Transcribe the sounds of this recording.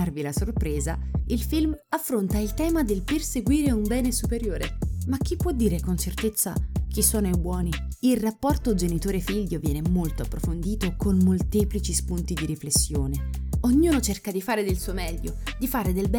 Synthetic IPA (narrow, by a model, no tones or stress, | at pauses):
arvilasorpɾeːza̰ilfilmafːɾont̪ailt̪ɛːmad̪elperseɡwiːɾeumbɛːnesupeɾjoːɾemak̟ːipːwɔd̪ːiːɾekont͡ʃert̪et̪sːa̰k̟isːoːnoebwɔːni | ilrapːɔrt̪od͡ʒenit̪oːɾefiʎːovjɛːnemolt̪oapːɾofond̪iːt̪okonmolt̪eːplit͡ʃispunt̪id̪iɾiflesːjoːneoɲːuːnot͡ʃerkad̪ifaːɾed̪elsuːomɛʎːod̪ifaːɾed̪elbɛ